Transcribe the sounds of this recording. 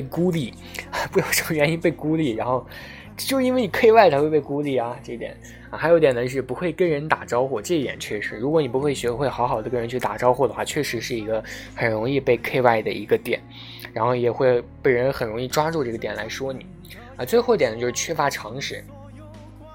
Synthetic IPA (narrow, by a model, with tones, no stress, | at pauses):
ku˥li˥˩˦ | a˧pu˧˥jo˨˩ʊʂə˧˥mə˧ɥɛ˧˥ni˥npe˥˩ɪku˥li˨˩ɻa˧˥nxo˥˧ʊ | t͡ɕjʂɻ̩˧i˥nwe˥˩ɪni˨˩kʰe˥˧ɪwa˥˩ɪt͡s̪ʰa˧˥xwe˥˧pe˥˩ɪku˥li˨˩ɐ˩ʈ͡ʂɤ˥˩˧i˧t̪jɛ̰˨˩˦n˧˩ | xɪjo˧˥t̪jɛ˨˩nd̪ə˧ʂɻ̩˥˩pu˧˥xwe˥˩ɪkə˥nɻə˧˥nt̪a˨˩ʈ͡ʂɑ˥ʊxwɔ˥˩ʈ͡ʂɤ˥˧˥t̪jɛ̰˨˩nt͡ɕʰɥɛ˥˧˩ʂɻ̩˧˩ɻu˧˥kwɔ˧˥ni˨˩pu˧˥xwe˥˩ɪɕɛ˧˥xwe˥˩ɪxɑ˧˥xɑ˨˩ʊd̪ə˦kə˥ɻə˧˥nt͡ɕʰy˥˩t̪a̰˨˩ʈ͡ʂɑ˥ʊxwɔ˥˩d̪ə˩xwa˥˧t͡ɕʰɥɛ˥˩ʂɻ̩˧˥ʂɻ̩˥˩i˧˥ɡə˧xə˨˩nɻʊ˧˥ŋi˥˧pe˥˧ɪkʰe˥˧ɪwa˥˩ɪd̪ə̰˩ʔi˧˥ɡə˧t̪jɛ̰˨˩˦n | ɻa˧˥nxo˥˧˩ʊjɛ˨˩xwe˥˩ɪpe˥˩ɪɻə˧˥nxə˨˩ɻʊ˧˥ŋi˥˩ʈ͡ʂwa˥ʈ͡ʂu˥˧ʈ͡ʂɤ˥˩ɡə˩t̪jɛ˨˩nla˧˥ɪʂwɔ˥ni˨˩˦ | ɐ˧t͡swe˥˧ɪxo˥˩ʊi˥t̪ɛ˨˩nə˦t͡ɕo˥˧ʂɻ̩˧˩t͡ɕʰɥɛ˥fa˧˥ʈ͡ʂʰɑ˧˥ŋʂɻ̩˥˩˦